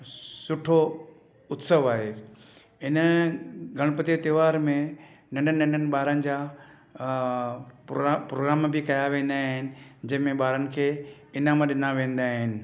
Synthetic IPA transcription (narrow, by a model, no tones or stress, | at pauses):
sʊʈʰo | ʊt̪səʋaːɦe | ɪnəɡʱɐɽ̃pɐt̪it̪iʋaːɾmẽnɐ̃ɳɖənɪɐ̃ɳɖʱənɪ̆ɓaːɾənɪ̆d͡ʑaː | pɾoːɡɾaːmbɪkɐjaʋẽːn̆d̪aːɦɪnɪ̆d͡ʑɐ̃ɦɪ̃mẽɓaːɾənɪ̆kʰeː | ɪnamãɗɪnaʋẽːnd̪aːɦɪnɪ̆